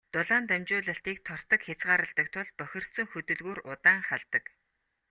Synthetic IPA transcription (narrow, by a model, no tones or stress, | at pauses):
t̪ʊɮaːnt̪æmt͡ɕʊːɮə̆ɬt̪iːk̚t̪ʰɔr̥t̪ɞ̆kxʲat͡sɢaːɾə̆ɮt̪ə̆k̚t̪ʰʊɮpœxʲɪ̆r̥t̪sɵ̆ŋxɵt̪ɵ̆ɮɣuːrʊt̪aːŋχaɮt̪ə̆k